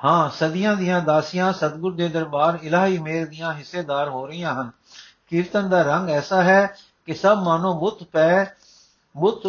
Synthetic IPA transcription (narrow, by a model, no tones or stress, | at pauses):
hãːsəd̪ɪjãːd̪ɪjãːd̪aːsɪjãːsəd̪ɡʊɾd̪eːd̪əɾbaːɾɪlaːɦiːmeːɾd̪ɪjãːɦɪsːeːd̪aːɾɦoːɾəɪjãːɦən | kɪɾt̪ənd̪aːɾəŋɡɛːsaːɦɛː | kɪsəbmaːnõːbʊt̪pɛː | mʊt̪ʰ